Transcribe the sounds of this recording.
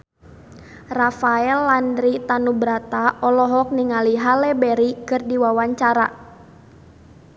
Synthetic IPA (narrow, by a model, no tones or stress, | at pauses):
rafaɛlːandɾit̪anubɾat̪aɔlɔɦɔk̚niŋaliɦalɛbɛɾikɨrdiwawaɲt͡ʃaɾa̰